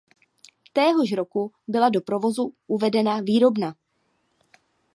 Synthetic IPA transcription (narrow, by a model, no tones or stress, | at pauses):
t̪ɛːɦoʃɾo̞ku | bɪladopɾo̞vo̞zuʔuvɛdɛnaviːɾo̞bna